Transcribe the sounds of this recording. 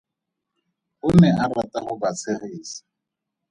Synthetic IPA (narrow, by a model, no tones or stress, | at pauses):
χʊnɛaratʼaχʊbat͡sʰɪɣiːsḁ